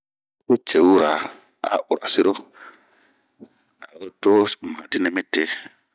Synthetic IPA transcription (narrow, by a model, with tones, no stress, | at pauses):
e˦t͡ʃe˨wu˦ɾa˨ | a̰˦ʔu˨ɾa̰˨si˦ɾo˦ | a˨ɾo˦to˦ma˨di˦nɛ˦me˦te˦